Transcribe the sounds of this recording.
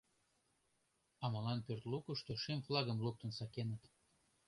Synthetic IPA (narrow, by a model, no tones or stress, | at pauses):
ɑmɑlɑnpørt̪lukuʃt̪oʃemflˠɑɣəmluk̚t̪ənsɑkenət̪